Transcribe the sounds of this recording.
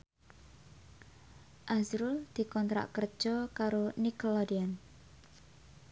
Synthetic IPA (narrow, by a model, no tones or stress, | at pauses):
ʔazɾuld̪̥i̤kɔnt̪ɾa̰ʔkər̥ʒ̥ɔkaɾonikɔlɔdian